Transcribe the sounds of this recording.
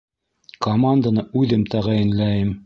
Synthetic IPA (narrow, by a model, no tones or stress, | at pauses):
komand̪anɤʉðɘmt̪æʁæjɘ̆nlæjɘm